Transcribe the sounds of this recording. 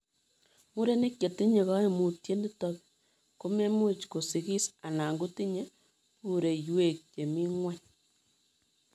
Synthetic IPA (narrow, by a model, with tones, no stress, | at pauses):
mu˦ɾe˦ne˦kje˨ti˦ɲe˨ɣa˦e˦mu˨tje˦ndi˦tɔ˨ke | ko˦me˦mo˦t͡ʃko˨si˨ɣi˦sa˨na˨ŋɡu˦ti˦ɲe˦ | pu˨ɾe˨jwe˦˨k̚t͡ʃe˨mi˦ŋwa˦ɲ